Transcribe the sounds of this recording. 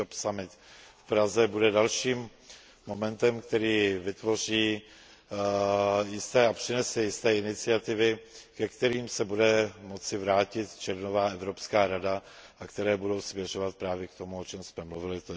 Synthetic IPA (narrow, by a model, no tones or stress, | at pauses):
opsamɪt̪fpɾazɛbudɛdalʃiːmː | o̞mɛnt̪ɛmkt̪ɛɾiːvɪt̪vo̞r̝iː | jɪst̪ɛːapr̝̥ɪnɛsɛjɪst̪ɛːɪnɪt͡sɪat̪ɪvɪkɛkt̪ɛɾiːmsɛbudɛmo̞t͡sɪvɾaːcɪt̪t͡ʃɛɾnovaːɛvɾo̞pskaːɾadaʔakt̪ɛɾɛːbudo̞wsmjɛr̝o̞vat̪̚pɾaːvjɛkt̪o̞muot͡ʃɛmsmɛmluvɪlɪ